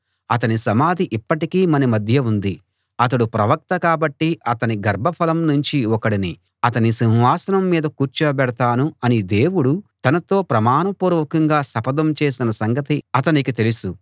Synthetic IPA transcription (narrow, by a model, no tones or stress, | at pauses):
ɐt̪ɐnisɐmaːd̪ʱiʔipːɐʈikiːmɐnimɐd̪ʱjɐund̪i | ɐt̪ɐɽupɾɐʋɐk̚t̪ɐkaːbɐʈːiɐt̪ɐniɡɐɾbʱɐpʰɐlɐmnuɲt͡ʃiɔkɐɽini | ɐt̪̬ɐnisinʋaːsɐnɐmːiːd̪ɐkuːɾt͡ʃɐbɛɽɐt̪aːnuɐnid̪e̞ːwuɽut̪ɐnɐt̪o̞ːpɾɐmaːnɐpuːɾʋɐkɐŋɡaːsɐpɐd̪ɐmt͡ʃe̞ːsinɐsɐŋɡɐt̪iɐt̪ɐnikit̪e̞lusu